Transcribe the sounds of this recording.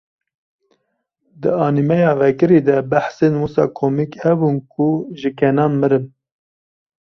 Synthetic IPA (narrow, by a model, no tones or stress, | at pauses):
d̪ɨɑːnimɛjɑːvɛkɨɾid̪ɛbæħsenwusɑ̰ːkʰoːmikhɛbunkʰuʒɨkʰɛnɑːnmɨɾɨm